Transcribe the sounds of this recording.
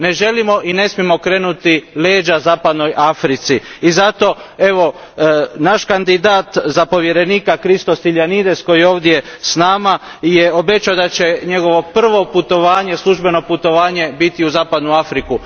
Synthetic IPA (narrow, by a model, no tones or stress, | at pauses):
ne̞ʒe̞limo̞ʔine̞smijemo̞kɾe̞ːnut̪ile̞ːd͡ʒazaːpad̪no̞jʔafɾit̪siːzat̪o̞e̞ʋo̞ | naʃkand̪id̪aːt̪zapo̞ʋje̞ɾe̞niːkakɾist̪osiʎjanid̪e̞sko̞jio̞ːʋd̪jesnaːma | jeo̞be̞t͡ʃaod̪at͡ɕe̞ɲe̞ɡo̞ʋo̞pr̩ʋo̞put̪o̞ʋaːɲe̞slˠuʒbe̞no̞put̪o̞ʋaːɲe̞bit̪iuzaːpad̪nuafɾiku